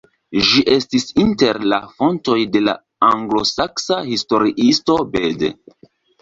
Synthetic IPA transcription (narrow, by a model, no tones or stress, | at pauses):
ʒiʔe̞stisinte̞ɾla̰fo̞nto̞jde̞la̰ | aŋɡlo̞saksahisto̞ɾiʔisto̞bedḛ